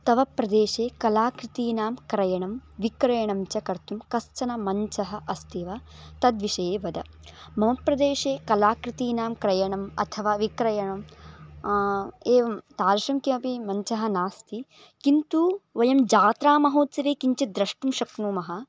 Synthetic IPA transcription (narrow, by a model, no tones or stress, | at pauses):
t̪ɐʋɐpɾɐd̪eːʃeːkɐlaːkɾɪt̪iːnaːmkɾɐjɐɳɐmʋikɾɐjɐɳɐmt͡ʃɐkɐɾt̪umkɐst͡ʃɐnɐmɐɲt͡ʃɐɦɐʔɐst̪ʰiʋaːt̪ɐd̪ʋiʃɐjeːʋɐd̪ɐ | mɐmɐpɾɐd̪eːʃeːkɐlaːkɾit̪iːnaːmkɾɐjɐɳɐmɐ̰t̪ʰɐʋaːʋikɾɐjɐɳɐm | eːʋɐmt̪aːɾɐʃɐmkimɐpimɐɲt͡ʃɐɦɐnaːst̪ʰi | kint̪uʋɐjɐmd͡ʒaːt̪ɾaːmɐɦoːt̪sɐɾeːkiɲt͡ʃɐd̪ɾɐʂʈumʃɐkɳuːmɐɦɐ̆